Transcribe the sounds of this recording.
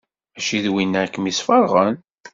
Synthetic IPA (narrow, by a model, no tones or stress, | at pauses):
æʃiðwinːækːəmisfəɾˤʁən